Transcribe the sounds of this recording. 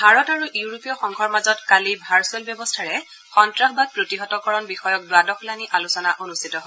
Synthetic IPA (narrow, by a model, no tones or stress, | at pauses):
bʱaɹɔtaɹuʔiuuɹopijɔxɔŋkʰɔɹmazɔtkalibʱaɹsʊelbjɔbɔstʰaɹɛ | xɔntɹaxbapɹotiɦɔtɔkɔɹɔnbixɔjɔk̚dʊadɔxʰulaniʔalusɔnaʔonustʰitɔɦɔ